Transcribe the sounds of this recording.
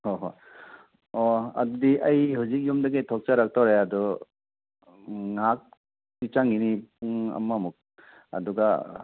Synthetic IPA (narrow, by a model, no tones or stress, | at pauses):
hɔɦɔ | ɔɐ̰dudiʔajɦuzik̚jumdaɡetʰɔk̚t͡ʃaɾak̚tʰaɾeadɔ | ŋak̚ | tit͡ʃaŋinipuŋa̰mːamuk̚ | ɐ̰duɡa